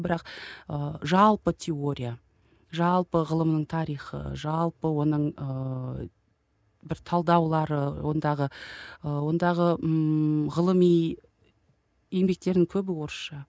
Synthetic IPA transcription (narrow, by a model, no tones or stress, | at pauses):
bɪɾɑqəʒɑlˠpət̪ʲʰeo̞ɾʲija | ʒɑlˠpəʁəlˠəmnəɴt̪ʰɑɾijχə̰ʒɑlˠpəwo̞nəɴə | bɪɾt̪ʰɑlˠd̪ɑwlˠɑɾəwo̞̰nd̪ɑʁəəwo̞nd̪ɑʁə | ʁəlˠəmij | embe̞k̚t̪e̞ɾd̪ɪŋkʲʰɵbɪwo̞ɾəsʃɑ